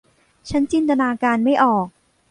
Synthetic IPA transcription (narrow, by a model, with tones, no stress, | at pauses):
t͡ɕʰa˦˥nt͡ɕi˧nt̪a˧naː˧kaː˧nma˥˩jʔɔː˨˩k̚